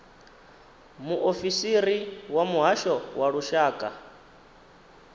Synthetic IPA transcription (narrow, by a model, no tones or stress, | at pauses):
muʔofisiɾiwamuɦaʃɔwaɺuʃaːkʼa